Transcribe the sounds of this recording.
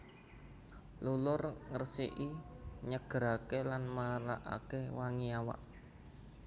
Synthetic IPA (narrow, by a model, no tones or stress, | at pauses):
lulʊrŋərsḭʔiɲəɡ̥əɾakelanmaɾa̰ʔa̰kewaŋiawa̰ʔ